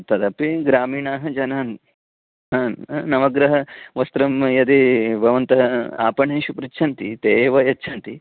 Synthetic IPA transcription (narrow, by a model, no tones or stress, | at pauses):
t̪ɐd̪ɐpiɡɾaːmiːɳaːɦɐd͡ʒɐnaːn | ɦɐnɐʋɐɡɾɐɦɐʋɐst̪ɾɐmjɐd̪ibʱɐʋɐnt̪ɐɦɐa̰ːpɐɳeːʃupɾit͡ʃːt͡ʃʰɐnt̪it̪eːʋɐjɐtːt͡ʃʰɐnt̪i